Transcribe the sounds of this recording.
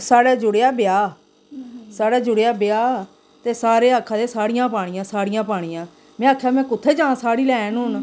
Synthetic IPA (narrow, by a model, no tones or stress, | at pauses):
saːɽɛːd͡ʒʊɽeːaːbɪaː | saːɽɛːd͡ʒʊɽeːaːbjaː | t̪eːsaːɾeːaːkʰːãːd̪eːsaːɽijãːpaːɽ̃ɪjãːsaːɽijãːpaːɽ̃ijãː | mɛ̃ːaːkʰːejaːmɛ̃ːkʊt̪ʰːeːd͡ʒãːsaːɽiːlɛːnɦʊn